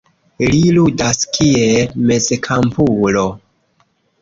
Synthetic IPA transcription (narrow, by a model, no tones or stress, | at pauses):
liludaskʰieme̞zekʰampulo